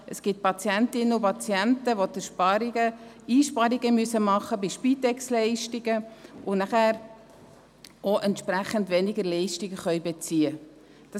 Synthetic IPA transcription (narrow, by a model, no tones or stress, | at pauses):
əsɡ̥ɪt̚pɑt͡sjæntɪnːəʊpɑt͡sjæntəʋotəʃpɑɾiɡə | iːʃpɑɾiɡəmyəsəmɑχːəbɪʃpiːtɛkslɛɪʃtɪɡəʊnæχæːɾ | ʔoʔɛntʃpɾæχəndʋɛnɪɡəɾlɛɪʃtɪɡəχœʏbet͡siːə | d̥ɑ